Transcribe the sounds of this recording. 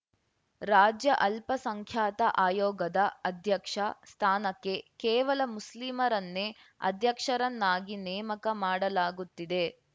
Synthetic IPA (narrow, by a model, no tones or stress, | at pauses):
ɾaːd͡ʒjɐʔɐlpɐsɐŋkʰjaːt̪ɐʔaːjɔːɡɐd̪ɐɐd̪ʱjɐkʂɐst̪ʰaːnɐkːe̞kɛːʋɐlɐmuslimɐɾɐnːe | ɐ̰d̪ʱjɐkʂɐɾɐnːaːɡinɛːmɐkɐmaːɽɐlaːɡut̪ːid̪e̞